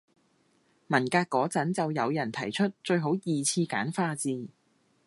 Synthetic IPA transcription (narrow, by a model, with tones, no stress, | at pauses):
mɐ˨˩nkaː˧kːɔː˨˥t͡sɐ˨˥nt͡sɐ˨wjɐ˨˧wjɐ˨˩nt̪ʰɐ˨˩jt͡ʃʰɵ˥t̚t͡ʃɵ˧ɥɦo˨˥wjiː˨t͡sʰiː˧ka̰ː˨˥nfaː˧t͡siː˨˧